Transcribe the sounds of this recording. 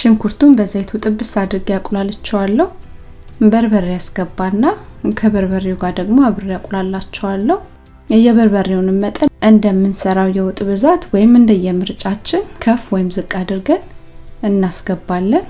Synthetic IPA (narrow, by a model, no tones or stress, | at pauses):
ʃɪŋkʰuɾt̪ʰumbəzajt̪ʰut̪ʼɨbːɨsad̪ɨɾɡjakʼlalat͡ʃːɛwalːəhu | bəɾbəɾjasɡəbːanːakʰəβəɾβərːewuɡaɾd̪əɡmoaβɨɾejakʼlalːat͡ʃːɛwalːəhu | ɛjːɛβəɾβərːewɔnɨmːət̪ʼəʔɨnd̪əmːɨnsəɾawjɛwɔt̪ʼβɨzat̪wɔjɪmɨnd̪əjːɛmɨɾt͡ʃʼat͡ʃːɪnkʰəfwɔjɪmzɨkʼːad̪ɨɾɡənɨnːasɡ̥əbːalːən